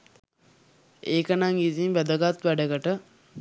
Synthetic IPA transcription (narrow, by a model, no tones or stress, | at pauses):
eːkənaŋiziŋʋæd̪əɡat̪ʋæɖəɡəʈə